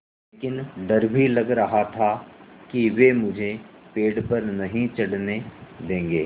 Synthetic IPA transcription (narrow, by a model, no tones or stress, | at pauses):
leeːkɪnɖɐɾbʱilɐɡɾɐɦat̪ʰakiʋeːmʊd͡ʒʱepeːɖpɐɾnɐɦĩt͡ʃɐɽned̪ẽːŋɡeː